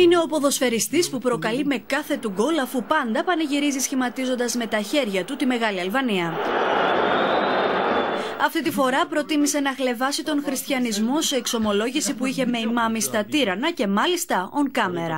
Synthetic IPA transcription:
ine̞o̞po̞ðo̞sfe̞ɾist̪ispupɾo̞kɐlime̞kɐθe̞t̪uɡo̞lɐfupɐnd̪ɐpɐnɐʝiɾizisçimɐt̪izo̞nd̪ɐzme̞t̪ɐçe̞ɾʝɐt̪ut̪ime̞ɣɐliɐlvɐniɐ | ɐft̪it̪ifo̞ɾɐpɾo̞t̪imise̞nɐxle̞vɐsit̪o̞ŋxɾist̪çɐnizmo̞seːkso̞mo̞lo̞ʝisipuiçe̞me̞imɐmist̪ɐt̪iɾɐnɐce̞mɐlist̪ɐo̞ŋkɐme̞ɾɐ

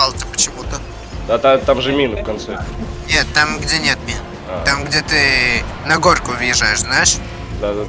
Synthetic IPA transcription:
alˠsʲəpət͡ɕɪmut̪ə | d̪at̪at̪amʐɨmʲinfkɐnt̪sɛnʲet̪t̪ːamɡdʲenʲe̞t̪mʲin | at̪amɡdʲe̞t̪ɨnɐɡo̞rkʊvjɪʐajɪʂznajɪʂ | d̪ad̪a

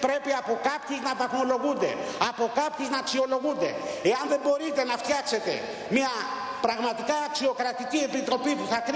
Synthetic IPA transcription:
pɾepiapo̞kapt̪iknapaθŋolo̞ɣund̪ḛapo̞kap̚t̪iknaːksio̞lo̞ɣund̪e̞̰eanðembo̞ɾit̪e̞naft̪jakse̞t̪e̞̰ | mia | pɾaɣmat̪ikaːksio̞kɾat̪ikiepit̪ɾo̞pipuθakɾ

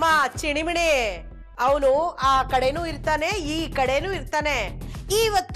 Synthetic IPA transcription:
maːt͡ʃiɳimiɳe | ɐʋɐnuaːkɐɽejnuːiɾt̪aːneiːkɐɽenuːiɾt̪aːneiːʋɐt̪ː

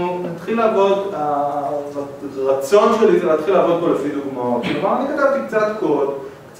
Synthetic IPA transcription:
nat̪χilaːvo̞da | ʁat͡so̞nʃelizelat̪χilaːvo̞d̪̚bo̞lefiduɡmaoʃeavalaniɡadalt̪ikt͡sat̪ko̞d | t͡s

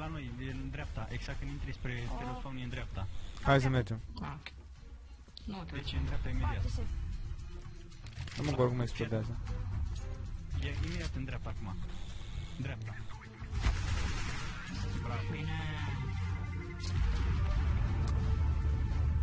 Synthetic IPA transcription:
lanojjend̪ɾeap̚t̪aʔeɡz̥ak̚t̪ɨnint̪ɾispɾepelofaunjend̪ɾeap̚t̪aajs̬əmerd͡ʒem | d̪et͡ʃend̪ɾap̚t̪aimed̪iat̪ | numəŋɡoɾkumeksplod̪eazə | jeimed̪iat̪ɨnd̪ɾeap̚t̪aːkuma | nd̪ɾap̚t̪a | lapine

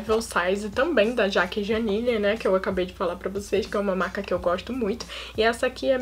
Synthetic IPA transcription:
vɛwsajzɪt̪ɐ̃bẽj̃d̪ɐʒakɪʒɐ̃niʎɐnɛkɪewakabejd͡ʒɪfalapɾɐvoseskɪɛũmɐmaɾkɐkɪewɡɔʃt̪ʊmũj̃t̪ʊ̥ɪɛsɐakʰiɛ

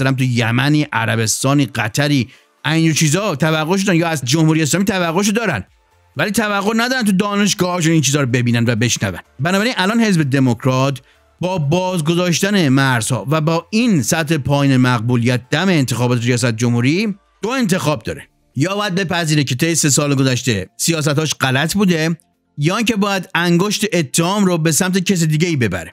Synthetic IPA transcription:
ælæmt̪ujæmæniːʔæɾæbe̞st̪ɒːniːɢæt̪ʰæɾiː | ʔænd͡ʒot͡ʃʰiːzɒːt̪ʰævæɣːoʃ̬od̪ænjɒːæzd͡ʒo̞mhuːɾies̬lɒːmit̪ʰævæɣːoʃ̬od̪ɒːɾæ̰n | væliːt̪ʰævæɣːoɾnæd̪ɒːɾænt̪̬ud̪ɒːne̞ʃ̬ɡɒːhɒːʃ̬unint͡ʃʰiːzɒːɾobe̞biːnænvæbe̞ʃnæ̰væ̰nbænɒbæɾinælɒːnhe̞zbe̞d̪e̞mo̞kʰɾɒːt̪ | bɒːbɒːzɡozɒːʃ̬t̪æne̞mæɾz̥hɒ̰ːvæbɒːinsæt̪he̞pʰɒːjiːnemæɣbuːlijæt̪̚ʰd̪̥æme̞ːnt̪ʰexɒːbɒːt̪ʰeɾijɒːs̬æt̪̚d͡ʒomhuːɾi | d̪̥oe̞nt̪ʰe̞xɒːb̚d̪ɒ̰ːɾe | jɒːbɒːjæd̪be̞pæziːɾecʰe̞t̪ʰe̞jːese̞sɒːleɡozæʃt̪e̞sijɒːs̬æt̪hɒːʃɢælæt̪ʰbuːd̪e̞ | jɒːiŋcebɒːjæd̪æŋɡoʃt̪eʔet̪ʰːehɒːmɾobe̞sæmt̪ʰecʰes̬id̪iːɟeiːbe̞bæ̰ɾe

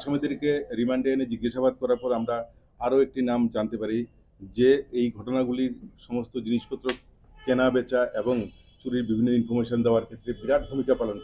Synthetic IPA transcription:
ʃamed̪eɾkeɾimaɳʈened͡ʑiɡːaʃabad̪̚kɔɾaɾpɔɾamɾa | aɾoek̚ʈinamd͡ʑant̪epaɾi | d͡ʑeejɡʱɔʈonaɡuliɾʃɔmost̪od͡ʑiniʃpot̪ːɾo | kenabet͡ɕaʔeboŋ | t͡ɕuɾiɾbibʱinːoinfoɾmeʃond̪eoaɾkʰet̪ːɾebiɾad̪̚bʱumikapalonto

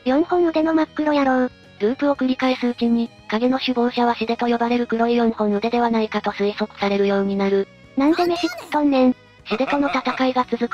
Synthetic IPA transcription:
jõ̞ɰ̃hõ̞ɰɯ̟d̪e̞no̞makːɯ̟ɾo̞jaɾoɯ | ɾɯ̟ːpɯ̟o̞kɯ̟ɾʲikaesɨɯ̟t͡ɕiɲ̟i | kaɡe̞no̞ɕɨbo̞ːɕaβaɕid̪e̞t̪o̞jo̞baɾe̞ɾɯ̟kɯ̟ɾo̞ijõ̞ɰ̃hõ̞ɰ̃ɯ̟d̪e̞d̪e̞βanaikat̪o̞sɨiso̞kɯ̟̥saɾe̞ɾɯ̟jo̞ːɲ̟inaɾɯ̟ | nãnd̪e̞me̞ɕit̪õ̞nːẽ̞ɴ | ɕid̪e̞t̪o̞no̞t̪at̪akaiɡat͡sɨzɨkɯ̟

